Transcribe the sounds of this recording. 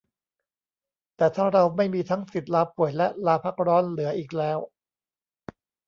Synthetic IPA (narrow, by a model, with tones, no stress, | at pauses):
t̪ɛː˨˩t̪ʰaː˥˩ɾa˧wma˥˩jmiː˧t̪ʰa˦˥ŋsi˨˩t̪̚laː˧pu˨˩əjlɛ˦˥ʔlaː˧pʰa˦˥˩k̚ɾɔː˦˥nlɯ˨˩˦ɐʔiː˨˩k̚lɛː˦˥w